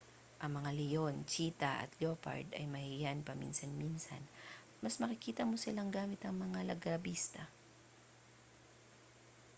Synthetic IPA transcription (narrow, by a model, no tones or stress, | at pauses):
ʔɐŋmɐŋalɛjont͡ʃiːt̪ɐʔɐ̰t̪̚lopɐ̰ɹd̪ɐ̰jmɐhɪjanpɐmḭnsɐnminsɐ̰n | mɐsmɐkɪkiːt̪ɐmosɪlaŋɡaːmɪt̪ɐŋmɐŋalɐɡɾɐbiːst̪ɐ